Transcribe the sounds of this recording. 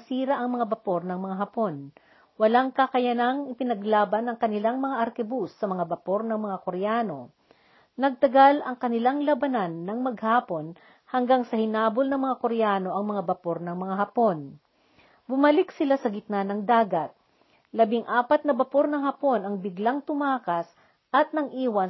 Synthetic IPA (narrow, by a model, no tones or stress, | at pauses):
siːɾɐʔɐŋmɐŋabɐpo̞ɾnɐŋmɐŋaɦɐpo̞n | wɐlaŋkɐkɐjɐnaŋɪpɪnɐɡlaːbɐnɐŋkɐnɪlaŋmɐŋaʔɐɾkɛbusːɐmɐŋabɐpo̞ɾnɐŋmɐŋakoɾɛjaːno̞ | nɐɡ̚t̪ɐɡalɐŋkɐnɪlaŋlɐbɐnanːɐŋmɐɡ̚haːpo̞n | hɐŋɡaŋsɐhɪnaːbolnɐŋmɐŋakoɾɛjaːno̞ʔɐŋmɐŋabɐpo̞ɾnɐŋmɐŋaɦɐpo̞n | bʊmɐlɪksɪlasɐɡɪt̪̚nanɐŋd̪aːɡɐt̪̚ | lɐbɪŋʔaːpɐt̪nɐbɐpo̞ɾnɐŋhɐpo̞nɐŋbɪɡlaŋt̪ʊmaːkɐs | ʔɐt̪̚nɐɡʔiːwɐ